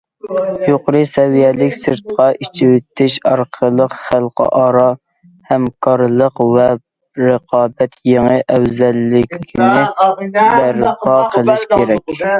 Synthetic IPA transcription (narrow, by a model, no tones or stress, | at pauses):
joqɾɨsɛvijɛlɪkʲsɨɾt̪̚qʰɑʔit͡ʃʰɪwet̪ʰːɪʃɑɾqʰəlˠəqχælˠqə̰ʔɑːɾɑ | hɛmkʰɑɾlˠəqvɛ | ɾəqʰɑːbɛt̪ʰjeŋəʔɛwzɛlːɪkʲkʲʰinɪbæɾləqːɑqʰəlˠɪʃkʲʰeɾɛkʲ